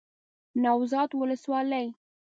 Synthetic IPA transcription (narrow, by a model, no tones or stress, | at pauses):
nɑwzɑt̪wʊləswɑləj